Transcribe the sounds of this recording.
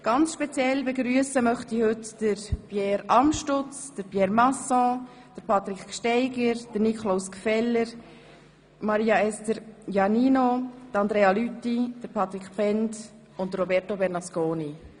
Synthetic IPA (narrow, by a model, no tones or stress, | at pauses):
ɡ̥ɑnt͡sʃpet͡sjɛlbeɡɾyəsəmœχtihɵtd̥əɾpjɛːɾɑmʃtʊt͡sd̥əɾpjɛːɾmɑsɔ̃ | d̥əɾpʰɑt̪ɾikʃtɛɪɡəɾd̥ənikʰlawskfɛlːəɾ | mɑɾiːɑɛstəɾjɑniːnot̪ɑnd̪ɾeːɑlytːid̥əɾpʰɑt̪ɾikpɛnt | ʊntdəɾrobɛɾtobɛɾnɑskoːni